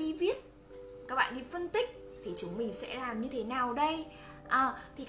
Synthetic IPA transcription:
ɗi˧vi˦˥ət̚ | kaː˦˥k̚ɓa̰ː˧˨ɗi˧fə˧nt̪ï˦˥k̟̚ | t̪ʰi˨˩t͡ɕʊ˨˦ŋ͡mmï˨˩ŋ̟sɛ̰˧˥laː˨˩mɲɨ˧t̪ʰe˨˦naː˨˩wɗə˧j | ʔəː˨˩t̪ʰi˨˩k

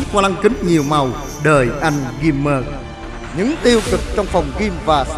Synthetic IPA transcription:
k̚a˧la˧ŋkï˨˦ŋɲi˨˩əwma˨˩w | ɗəː˨˩jʔa˧jŋ̟ɣi˧mːəː˧k̚ | ɲɨ̰˧˥ŋt̪i˧əwkɨ˨˩k̚t͡ɕɔ˧wŋ͡mfɔ˨˩wŋ͡mɣi˧mvaː˨˩

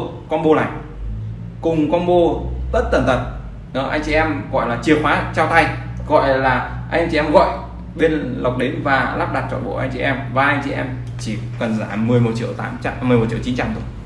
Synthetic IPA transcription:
kɔ˧nɓo˧la̰ː˨˩j | kʊ˨˩ŋ͡mkɔ˧nɓo˧t̪ə˦˥t̚t̪ə˨˧˩nt̪ʰə˨˩n | ɗɔ˨˦ʔa̰˧jŋ̟t͡ɕḭ˧˨ʔɛ˧mɣɔ̰˧˨jlaː˨˩t͡ɕi˨˩ək̚faː˨˦t͡ɕaː˧wt̪ʰa˧j | ɣɔ̰˧˨jlaː˨˩ | ʔa˧j̟ɲt͡ɕḭ˧ʔɛ˧mɣɔ̰˧˨j | ɓe˧nla˨˩wk͡p̚ɗi˨˦nvaː˨˩laː˦˥p̚ɗa˨˩t̚t͡ɕɔ̰˧˨nɓo̰˧˩ʔa̰˧jt͡ɕḭ˧˨ʔɛ˧mvaː˨˩ʔa˧jŋt͡ɕḭ˧˨ʔɛ˧m | t͡ɕi˧˩kə˨˩nzaː˧˩mɨ˨˩əjmo˨˩t̚t͡ɕḭ˧˨əwt̪aː˨˦m˧mɨ˨˩əjo˨˩t̚t͡ɕḭ˧˨t͡ɕi˨˦nt͡ɕa˧mt̪ə

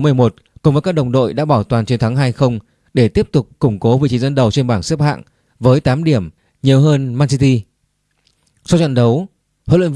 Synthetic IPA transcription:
mɨ˨˩əjmo˨˩t̚ | kʊ˨ŋ͡mvəː˨˦jkaː˦˥k̚ɗə˨˩wŋ͡mɗo̰˧˨jɗa̰ː˧˥ɓaː˧˩wt̪waː˨˩nt͡ɕnt̪ʰa˨˦ŋɦaː˧jxə˧wŋ͡m | ɗe˧˩t̪i˦˥əp̚t̪ʊ˨˩k͡p̚kʊ˧˩ŋ͡mko˨˦vḭ˧˨t͡ɕi˨˦zə˧nɗə˨˩wt͡ɕe˧nɓaː˧˩nsɨ˦˥p̚ha̰ː˧˨ŋ | vəː˨˦jt̪aː˨˦mɗi˧˩əm | ɲi˨˩əwɦəː˧nmaː˧nsi˧t̪i˧ | sɔ˧t͡ɕə̰˧˨nɗə˨˦w | ho̰˨˧˨lə̰˧˨n

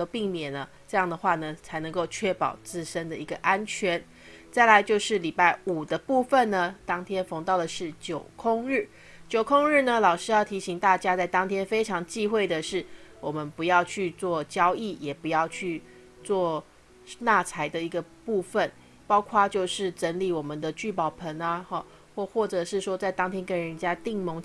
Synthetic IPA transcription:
ə˧pi˥˩ŋmjɛ˨˩nə˦ | ʈ͡ʂɤ˥˧jɑ˥˩ŋd̪ə˩xwa˥˩nə˩t͡sʰa˧˥ɪnɤ˧˥ŋko˥˧ʊt͡ɕʰɥɛ˥˩pɑ̰˨˩ʊt͡sɹ̩˥˩ʂə˥nd̪ə˨i˧˥ɡə˧ʔa˥nt͡ɕʰɥɛ˧˥˦n | t͡sa˥˩ɪla˧˥ɪt͡ɕjo˥˧ʊʂɻ̩˥˩li˨˩pa˥˩ɪu˨˩d̪ə˦pu˥˧fə˥˨nnə˩t̪ɑ˥ŋt̪ʰjɛ˥nfɑ˧˥ŋt̪ɑ˥˩ʊd̪ə˩ʂɻ̩˥˩t͡ɕjo˨˩ʊkʰʊ˥˧ŋɻ̩˥˩ | t͡ɕjo˨˩ʊkʰʊ˥ŋɻɻ̩˥˩nə˨lɑ˨˩ʊʂɻ̩˥jɑ˥˩ʊt̪ʰi˧˥ɕi˧˥ŋt̪a˥˩t͡ɕja˥t͡sa˥˩ɪt̪ɑ˥ŋt̪ʰjɛ˥nfe˥ɪʈ͡ʂʰɑ˧˥ŋt͡ɕi˥˧xwe˥˩ɪd̪ə˩ʂɻ̩˥˩wɔ˨˩mə˦npu˧˦jɑ˥˧ʊt͡ɕʰy˥˧t͡swɔ˥˩t͡ɕjɑ˥ʊi˥˩jɛ˨˩pu˧˦jɑ˥˧ʊt͡ɕʰy˥˧ | t͡swɔ˥˧ | na˥˩t͡sʰa˧˥ɪd̪ə˧i˧˥ɡə˧ | pu˥˧fə˨˩n | pɑ˥ʊkʰwa˥˧t͡ɕjo˥˧ʊʂɻ̩˥˩ʈ͡ʂə˧˥nli˨˩wɔ˨˩mə˨nd̪ə˨˦t͡ɕy˥˩pɑ˨˩ʊpʰə˧˥na˧xɔ˥˧ | xwɔ˥˧xwɔ˥˩ʈ͡ʂɤ˨˩ʂɻ̩˥˩ʂwɔ˥t͡sa˥˩ɪt̪ɑ˥ŋt̪ʰjɛ˥nkə˥nɻə˧˦˥nt͡ɕja˥t̪i˥˩ŋmo˧˥ŋ

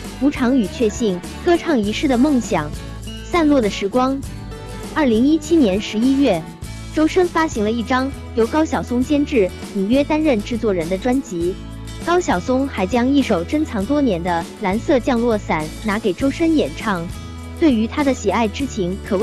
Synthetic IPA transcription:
u˧˥ʈ͡ʂʰɑ˧˥ŋy˨˩t͡ɕʰɥɛ˥˧ɕi˥˩ŋ | kɤ˥˧ʈ͡ʂʰɑ˥˩ŋi˧˥ʂɻ̩˥˩d̪ə˩mɤ˥˩ŋɕjɑ˨˩˦ŋ | sa˥˧nlwɔ˥˩d̪ə˩ʂɻ̩˧˥kwɑ˥ŋ | ɐ˞˥˩li˧˥ŋi˥t͡ɕʰi˥njɛ˧˥nʂɻ̩˧˥i˥ɥɛ˥˩ | ʈ͡ʂo˥ʊʂə˥nfa˥ɕi˧˥ŋlə˧i˥˩ʈ͡ʂɑ˥ŋ | jo˧˥ʊkɑ˥ʊɕjɑ˨˩ʊsʊ˥ŋt͡ɕjɛ˥nʈ͡ʂɻ̩˥˩ | ni˨˩ɥɛ˥t̪a˥nɻə˥˧nʈ͡ʂɻ̩˥˧t͡swɔ˥˩ɻə˧˥nd̪ə˧ʈ͡ʂwa˥nt͡ɕi˧˥ | kɑ˥ʊɕjɑ˨˩ʊsʊ˥ŋxa˧˥ɪt͡ɕjɑ˥ŋi˥˩ʂo˨˩ʊʈ͡ʂə˥ŋt͡sʰɑ˧˥ŋt̪wɔ˥njɛ˧˥nd̪ə˧la˧˥nsɤ˥˧t͡ɕjɑ˥˧ŋlwɔ˥˩sa˨˩˦nna˧˥ke˨˩ɪʈ͡ʂo˥ʊʂə˥njɛ˨˩nʈ͡ʂʰɑ˥˧ŋ | t̪we˥˩ɪy˧˥t̪ʰa˥d̪ə˨ɕɛ˨˩a˥˩ɪʈ͡ʂɻ̩˥t͡ɕʰi˧˥nkʰɤ˨˩w

